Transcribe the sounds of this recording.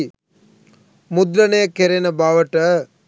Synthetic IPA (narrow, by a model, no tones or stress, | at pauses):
mud̪ɾɐneːkeɾenɐbaːʋɐʈɐ